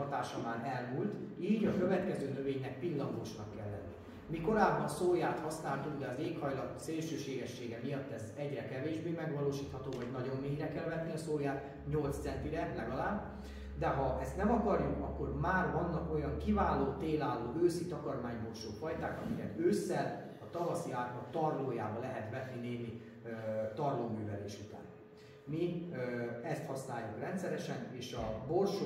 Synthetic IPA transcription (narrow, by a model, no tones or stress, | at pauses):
ɒt̪aːʃɒmaːnɛlmult̪iːɟɒkøvɛt̪kɛzøːnøveːɲnɛk̚pilːɒŋɡoʃnɒkːɛ̰lːɛ̰nːḭ | miko̞ɾaːbɒnsoːjaːt̪hɒsnaːlt̪uɡd̪ɛɒzeːkhɒjlɒt̪seːlʃøːʃeːɡɛʃːeːɡɛmijɒt̪ːɛzɛɟrɛkɛveːʒbeːmɛɡvɒloːʃiːt̪hɒt̪oːvɒɟnɒɟo̞mːeːjrɛkɛlvɛt̪niɒsoːjaːt̪ | ɲo̞lt̪ssɛnt̪iɾɛlɛɡɒlaːb | d̪ɛɦɒʔɛst̪nɛmɒkɒrjukɒkːo̞rmaːrvɒnːɒko̞jɒŋkivaːloːt̪eːlaːloːøːsit̪ɒkɒrmaːɲbo̞rʃoːfɒjt̪aːkɒmikɛt̪øːsːɛl | ɒt̪ɒvɒsiaːt̪mɒt̪ɒrloːjaːbɒlɛɦɛt̪ʋɛt̪nineːnːi | t̪ɒrloːmyːvɛlḛːʃut̪a̰ːn | mi | ɛst̪hɒsnaːjːukrɛnt̪sɛɾɛʃɛneːʃɒborʃ